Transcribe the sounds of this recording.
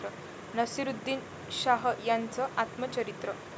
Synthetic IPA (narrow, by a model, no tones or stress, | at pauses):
ɾə | nɐsiɾud̪ːin | ɕaɦəjant͡sɔʔat̪mɐt͡ɕɐɾit̪ɾə